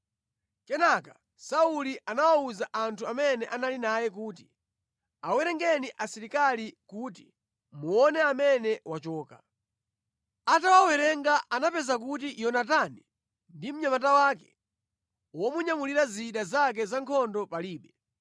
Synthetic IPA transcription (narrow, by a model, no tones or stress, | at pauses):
kɛnaka | sauliʔanawauzaʔantʰuamɛnɛʔanalinajɛk̬uːti̥ | awɛɾɛŋɡɛniʔasɛɾikalikuti | muɔnɛamɛnɛwat͡ʃɔːka | atawawɛɾɛŋɡaʔanapɛzak̬utiʔjɔnatani | ndim̩ɲamatawakɛ̥ | wɔmuɲamuliɾaziɗazak̬ɛzaŋkʰɔndɔpaliːɓɛ